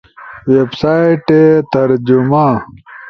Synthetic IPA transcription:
websaiʈet̪ɐɾd͡ʑuma

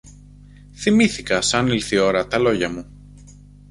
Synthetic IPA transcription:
θimiθikɐsɐnilθio̞ɾɐt̪ɐlo̞ʝɐmu

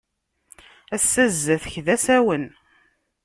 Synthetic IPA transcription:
æsːæzːəθəçðæsæwən

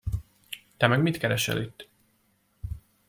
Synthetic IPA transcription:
t̪ɛmɛɡmit̪kɛɾɛʃɛ̰lit̪ː

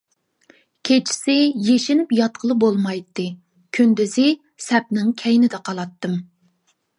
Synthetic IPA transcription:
kʲʰet͡ʃʰi̥sɪjeʃɪnɪpjɑt̪̚qʰəlˠɨbolˠmɑjt̪ːɨ | kʲʰynd̪yzɪ | sɛp̚nɪŋkʲʰɛjnɪd̪ɛqʰɑlˠɑt̪ːɨm

